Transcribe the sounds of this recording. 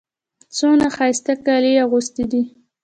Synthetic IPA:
t͡sonaxɑjst̪akɑliaɣust̪id̪i

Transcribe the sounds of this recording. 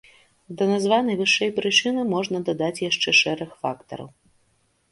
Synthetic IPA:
d̪ɐnazvanɐjvɨʂɛjpɾɨt͡ʂɨnɨmɔʐnɐd̪ad̪at͡sʲjaʂt͡ʂɛʂɛɾɐxfakt̪ɐ̰ɾɐ̰w

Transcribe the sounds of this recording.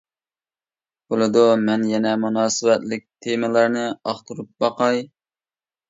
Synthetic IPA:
bolˠɨd̪umɛnjɛnɛmunɑːsɨwɛt̪lɪk̚ʲt̪ʰemɨlˠɑɾnɨɑχt̪ʰuɾup̚bɑqɑj

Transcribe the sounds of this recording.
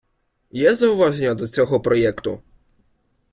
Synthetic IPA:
jɛzɐʊʋaʐenʲɐd̪ɔt͡sʲɔɦɔpɾɔjɛkt̪ʊ̰

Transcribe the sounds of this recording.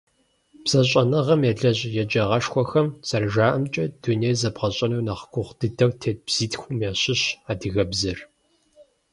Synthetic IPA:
b̥z̥ɐɕʼɐnɐʁɐmjɛɮɐʑʼjɛd͡ʒɐʁɐʂxʷɔxɐmt͡sʼɐrʒaːʔɐmt͡ʃʼɐd̥uneːjzɐbʁɐɕʼɐnuwnaχɡʷʰʊχʷd̥ɨdʰɐwtʰeːt̚bz̥iːtxʷʊmjaːɕɪɕaːdɨɣɐbzɨr

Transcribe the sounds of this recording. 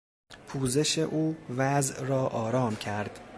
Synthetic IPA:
pʰuːzeʃe̞ʔuːvæzʔɾɒːʔɒːɾɒːmcʰæɾd̪̥

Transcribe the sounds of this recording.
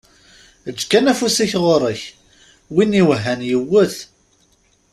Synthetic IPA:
əd͡ʒkːænæfusiçʁoɾˤəç | winiwəɦːænjəwːəθ

